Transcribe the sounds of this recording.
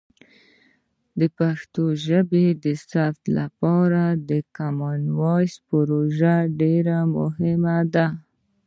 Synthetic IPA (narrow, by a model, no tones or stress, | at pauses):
d̪əpaxt̪oʒəbed̪əsaft̪lapɑɾad̪əkamɑnwɑjspəɾoʒaɖeɾamʊɦɪmad̪a